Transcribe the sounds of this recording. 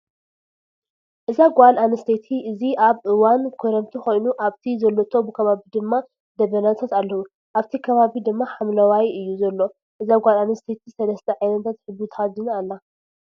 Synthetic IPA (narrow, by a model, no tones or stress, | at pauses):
ʔɨzaɡʷalanɨst̪ʰet̪ʰiʔɨziʔaβʔɨwankʰoɾɐmt̪ʰixo̞jnuʔaβt̪ʰizɐlːot̪ʰo̞bɨkʰɐβaβid̪ɨmːa | d̪ɐβɐnat̪ʰat̪alːɐhu | ʔaβt̪ʰikʰɐβaβid̪ɨmːaħamlɐwajɨjːuzɐlːo̞ | ʔɨzaɡʷalanɨst̪ʰe̞t̪ʰisɐlɐst̪ʰɐʕajnɐt̪ʰat̪ħɨbut̪ʰazɨnalːa